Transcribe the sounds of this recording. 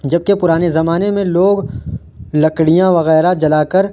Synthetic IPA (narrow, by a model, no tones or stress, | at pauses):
d͡ʒɐb̚kepʊɾaːnezɐmaːnemẽloːɡ | lɐkɽijãʋɐɣɛːɾad͡ʒɐlaːkəɾ